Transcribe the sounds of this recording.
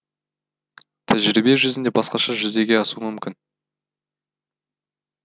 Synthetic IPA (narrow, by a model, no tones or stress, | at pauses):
t̪ʰæʒɪɾɪbeeʒʏzɪnd̪ebɑsqɑʃɑʒʏzd̪e̞ɡʲe̞ɑsuəmʏmkʲɪn